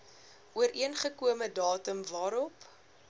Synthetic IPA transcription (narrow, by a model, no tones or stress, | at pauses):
ʔuəɾiənχəkuəmədɑːtəmvɑːɾɔp